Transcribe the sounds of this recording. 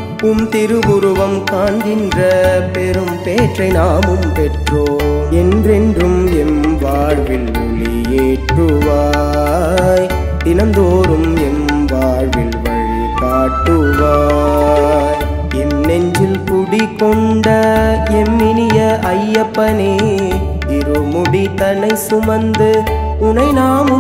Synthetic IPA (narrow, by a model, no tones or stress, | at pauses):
ʊmt̪ɪɾɯʋʊɾɯʋɐmkaːnd̪ɪndrɐpɛɾɯmpeːʈrɐɪnaːmɯmpɛʈroːmɛndrɛndrɯmɛnʋaːɻʋɪl | ʊɻi | jeːʈrɯʋaː | j | t̪ɪnɐnd̪oːɾɯm | ɛn | ʋaːɻʋɪɭʋɐɻikaːʈːɯʋaː | ɛnːɛɲd͡ʒɪlt̪ʊɽikːɔɳɖɐɛmːɪnɪjɐɐjːɐpːɐne | ɪɾɯmʊɽit̪ɐnɐɪsʊmɐnd̪ɯ | ʊnɐɪnaːmɯ